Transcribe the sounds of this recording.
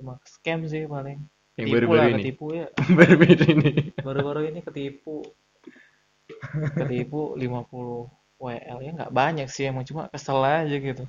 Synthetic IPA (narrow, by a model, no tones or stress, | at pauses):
t͡ʃumakə̥skɛms̬ɪhpalɪŋ | aŋibaɾupulaɾuikənt̪ipujabaɾubɾinibaɾubaɾuinikət̪ipu | ət̪ipulimapuluh | ɛʔɛ̰lɲaŋɡa̰ʔbaɲak̚sijamaŋt͡ʃuma̰kəsəlad͡ʒaɡit̪u